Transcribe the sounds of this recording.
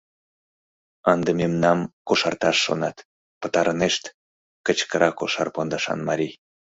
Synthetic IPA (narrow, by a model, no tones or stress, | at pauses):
ənd̪ememnɑmkoʃɑrt̪ɑʃːo̰nɑt̪ | pət̪ɑɾəneʃt̪ | kət͡ɕkəɾɑkoʃɑrpond̪ɑʃɑ̰nmɑɾʲij